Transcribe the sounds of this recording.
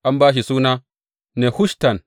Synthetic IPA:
ʔa˦mbaː˦ʃ̬i˨suː˦na˦ | ne˨hu˦ʃta˨n

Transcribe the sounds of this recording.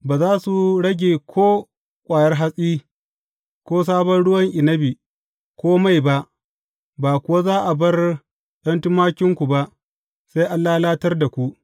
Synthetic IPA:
baː˨zaː˦su˨ɽɐ˦ɡʲeː˨kʷʰoː˦ | kʷʼaː˨jɐ˦rɦa˦sʼiː˦ | kʷoː˦s̬aː˦bɐ˦nɽʊ˦wɐ˦ŋʔɪ˨nɐ˦biː˨ | kʷoː˦ma˦˨jba˦ʔ | baː˨kʷʊ˨wa˦zaː˦ʔa˨bɐ˦r | ɗɐ˦ntʊ˦maː˦kʲɪ˦ŋkʷu˨ba˦ʔ | sa˦jʔa˦lːaː˦laː˦tɐ˦rda˨kʷu˦ʔ

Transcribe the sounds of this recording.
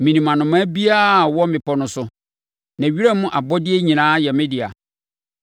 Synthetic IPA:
mĩ˨nĩ˨mã˨nʊ̃˨mã˦bi˦a˦˨wɔ˦mɪ̃˨pʰɔ˨nʊ̃˨sʊ˨ | nã˨ɥi˦ɾa˦mʊ̃˦ʔa˨bɔ˦dɪ˦e˦ɲĩ˨nãː˨˦jɛ˨mɪ̃˦dɪ˨a̰˨

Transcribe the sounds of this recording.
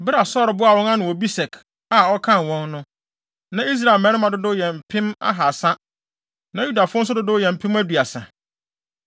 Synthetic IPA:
bɪ˦ɾa˨sɔ˦ɾbʊ˦a˨wɔ̃˦ŋã˦nʊ̃˨wɔ˨bi˦sɛ˨kʰ | a˨ɔ˦kʰã˦nwɔ̃˦nːnʊ̃˦ | nã˨i˦s̬ɾa˦˨ɪ˨lmɛ̃˨˦ɪ˦mã˨dʊ˦dʊ˦jɛ̃˨m˨pʰɪ̃˦ma̰˦ɦa˨sã˦ | nã˨ju˦da˨fʊ̃˦n̩˦s̬ʊ˦dʊ˦dʊ˦jɛ̃˨m̩˨pʰɪ̃˦mæ˦du˨a˨sã̰˨

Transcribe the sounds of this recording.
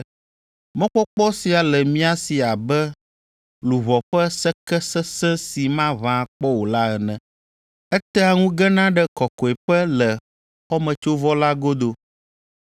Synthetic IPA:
mɔ̃˦k͡pɔ˦k͡pɔ˦si˨a˨lɛ˨mĩ˦a˦si˨a˨bɛ˦ | lu˨βɔ˨ɸɛ˦sɛ˦kɛ˦sɛ˦sɛ̃˦si˨mã˦vã˦˨k͡pɔ˦wo˨la˦ɛ˨nɛ̃˨ | ɛ˦t̪ɛ˦a˨ŋũ˦ɡɛ˦nã˦ɖɛ˦kɔ˨kɔ˨e˨ɸɛ˦lɛ˨ | xɔ˦mɛ̃˨t͡ʃo˦vɔ˦la˦ɡo˦d̪o˨

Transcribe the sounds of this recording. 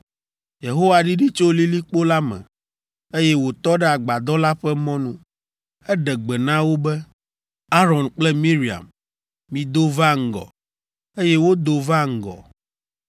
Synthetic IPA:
je˨ɦo˦wa˨ɖi˦ɖi˦t͡ʃo˦li˦li˦k͡po˦la˦mɛ̰̃˨ | e˦jɛ˦wo˨t̪ɔ˦ɖɛ˦a˨ɡ͡ba˨d̪ɔ˦la˦ɸɛ˦mɔ̃˦nũ˦ | ɛ˦ɖɛ˨ɡ͡bɛ˨nã˦wo˦bɛ˦ | a˦ɾɔ˨nk͡plɛ˦mĩ˦ɾi˨a̰˨mː | ĩ˨d̪o˦va˦ŋ̩˦˨ɡɔ̰˨ | e˦jɛ˦wo˦d̪o˨va˦ŋ̩˦˨ɡɔ̰˨

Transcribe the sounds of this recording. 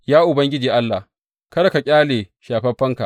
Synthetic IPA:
jaː˦ʔʊ˨bɐ˦ŋɡʲɪ˦d͡ʒiː˨ʔa˦lːa˨h | kɐ˦ɽɐ˨ka˨kʲʼaː˦leː˨ʃaː˨ɸɐ˦ɸːɐ˦ŋka˨ʔ

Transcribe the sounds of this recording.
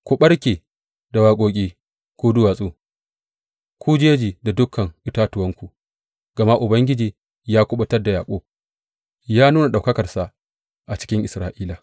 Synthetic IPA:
kʷu˨ɓɐ˦ɽkʲeː˨ | da˨waː˨kʷʼoː˨kʲʼiː˦ | kʷuː˦dʊ˦waː˨sʼuː˦ | kʷʰu˦d͡ʒeː˦d͡ʒiː˨da˨dʊ˦kʰːɐ˨ŋʔɪ˨taː˦tʊ˨wɐ˦ŋkʷu˨ | ɡ̥ɐ˨ma˦ʔʊ˨bɐ˦ŋɡʲɪ˦d͡ʒiː˨ | jaː˦kʷʊ˦ɓɐ˦tɐ˦rda˨jaː˨kʷʼoː˦ | jaː˦nuː˦na˨ɗa˨wkɐ˦kɐ˨rsa˨ʔ | ʔa˨t͡ʃɪ̥˦kʲɪ˦ŋʔɪ˨sɾaː˨ʔiː˦la˨

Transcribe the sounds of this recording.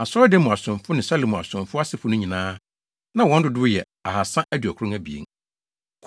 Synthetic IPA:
a˨sɔ˦de˦mʊ̃˨a˨sʊ̃˨mfʊ˦nɪ̃˨sa˦lɪ˨mʊ̃˨a̰˨sʊ̃˨mfʊ˦a˦sɪ˨fʊ˦nʊ̃˦ɲĩ˨nãː˦ | nã˨wɔ̃˦n̩˦dʊ˨dʊ˦ʊ˦jɛ˨ | a˨ha˨sã˦ʔæ˦dɥæ˨kʰɾʊ̃˦ŋæ˦bi˨ḛ˦ŋ | kʰ

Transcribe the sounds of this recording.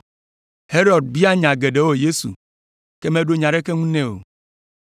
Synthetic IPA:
he˦ɾɔ˨d̚bi˦a˦ɲã˨ɡe˨ɖe˨˦wo˦je˦sṵ˨ | ke˦mẽ˦ɖo˦ɲã˨ɖe˦ke˦ŋũ˦nɛ̃˦wo̰˨

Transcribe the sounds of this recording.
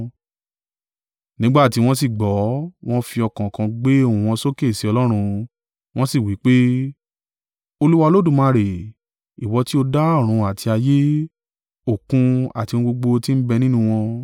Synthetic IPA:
nĩ˨˦ɡ͡ba˦˨ti˨˦w̃ɔ̃˦s̬i˦˨ɡ͡bɔ˨˦w̃ɔ̃˦fi˧ɔ˧kã˨kã˧ɡ͡be˦o˦˨wũ˨w̃ɔ̃˧so˦ke˦˨si˨˦ɔ˧lɔ˦ɾ̃ũ˧ | w̃ɔ̃˦si˦˨wi˨˦k͡pe˦ | o˧lu˦wa˧o˧lo˦dũ˦˨mã˧ɾe˨ | i˨wɔ˧ti˦o˧da˦ɔ˦˨ɾ̃ũ˧a˨tʰi˧a˧je˦ | o˦˨kũ˧a̰˨ti˧w̃ũ˧ɡ͡bo˧ɡ͡bo˧ti˦n̩˦bɛ˧nĩ˦nũ˧w̃ɔ̃˧

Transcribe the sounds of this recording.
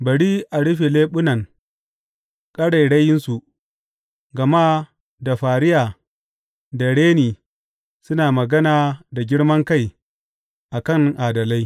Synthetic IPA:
bɐ˨ɽiː˦ʔa˨ɽʊ˦ɸe˨leː˦ɓʊ˦nɐ˨ŋ | kʼɐ˦ɽa˨jɽɐ˦jɪ˦nsu˨ʔ | ɡɐ˨ma˦ | da˨ɸaː˨ɽɪ˦jaː˨ | da˨ɽeː˦niː˨ | sʊ˦naː˨mɐ˨ɡɐ˦naː˨da˨ɡʲɪ˦ɽmɐ˦ŋka˦˨j | ʔa˨kɐ˦˨ŋʔaː˨dɐ˨la˦j

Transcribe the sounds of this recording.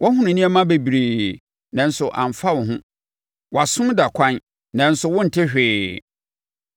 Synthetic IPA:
wʔɔ˦ɦʊ̃˦nʊ̃˨nĩ˦ɛ˦mã˦be˨bi˨ɾeː˨ | nã˨n̩˨sʊ˨ʔã̰˨m˨fa˦wʊ̃˨ɦʊ̃˦ | wɔ˨a˨sʊ̃˦da˨kʷʰã˦n | nã˨n̩˨sʊ˨wʊ̃˦n̩˨tʰɪ˦ɕᶣɪː˨

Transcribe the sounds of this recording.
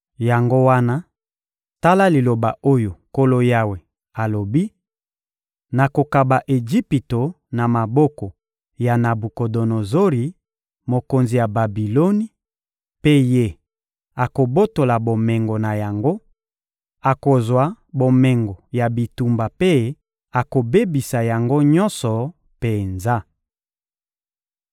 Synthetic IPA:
ja˨ŋɡo˦wa˦na˦ | ta˦la˦li˨lo˨ba̰˨ʔo˦jo˨ko˦lo˦ja˦we˨ | a˨lo˨bi˦ | na˨ko˨ka˨ba˨ʔe˨ʒi˦pi˨to˨ | na˨ma˨bɔ˦kɔ˨ | ja˨na˨bu˨ko˨do˨no˨zo˦ʁi˨ | mo˨ko˨nzi˨ja˨ba˨bi˨lo˦ni˦ | pe˦je˦˨ | a˨ko˨bo˦to˨la˨bo˨me˨ŋɡo˨na˨ja˨ŋɡo˦ | a˨ko˨zwa˨˦ | bo˨me˨ŋɡo˨ja˨bi˨tu˨mba˨pe˦ | a˨ko˨be˦bi˨sa˨ja˨ŋɡo˦ɲɔ˦nsɔ˨ | pe˨nza˦

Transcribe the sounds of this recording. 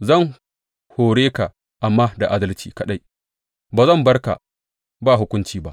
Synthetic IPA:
zɐ˦˨ŋ | hoː˨ɽeː˦ka˨ | ʔa˨mːaː˦da˨ʔaː˦dɐ˦lt͡ʃiː˨kɐ˦ɗa˦j | baː˨zɐ˦˨mbɐ˦rka̰˨ | baː˦˨ɦʊ˦kʷʊ˦nt͡ʃiː˨ba˦ʔ

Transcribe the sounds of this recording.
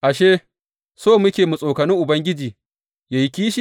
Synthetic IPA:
ʔa˨ʃeː˦ | soː˦˨mʊ˦kʲeː˨mu˨sʼoː˨kɐ˨nɪ˦ʔʊ˨bɐ˦ŋɡʲɪ˦d͡ʒiː˨ | ja˨ji˦kʲiː˦ʃi˦

